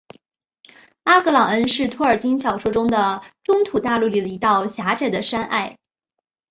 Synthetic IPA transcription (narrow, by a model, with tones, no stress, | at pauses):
a˥kɤ˧˥lɑ˨˩ŋə˥nʂɻ̩˥˩t̪ʰwɔ˥˩ə˞˨˩t͡ɕi˥nɕjɑ˨˩ʊʂwɔ˥ʈ͡ʂʊ˥ŋd̪ə˨ʈ͡ʂʊ˥ŋt̪ʰu˨˩t̪a˥˧lu˥˩li˨˩d̪ə˩i˧˥t̪ɑ˥˩ʊɕja˧˥ʈ͡ʂa˥˩ɪd̪ə˩ʂa˥nʔa̰˥˩ɪ